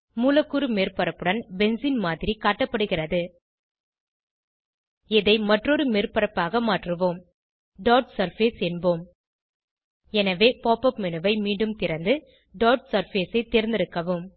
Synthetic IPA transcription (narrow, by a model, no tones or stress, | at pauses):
muːlɐkːɯɾɯmeːrpɐɾɐpːɯɽɐnbɛnsinmaːðɪɾikaːʈːɐpːɐɽɯɣɪrɐðɯ | ɪðɐɪmɐʈrɔɾɯmeːrpɐɾɐpːaːɣɐmaːʈrɯʋoːm | ɖoːʈsɐɾfeːsɛnboːm | ɛnɐʋeːpoːpːɐpmɛnɯʋɐɪmiːɳɖɯmt̪ɪɾɐnd̪ɯ | ɖoːɾʈsɐɾfeːsɐɪt̪ːeɾɪnd̪ɪɾɯkːɐʋɯm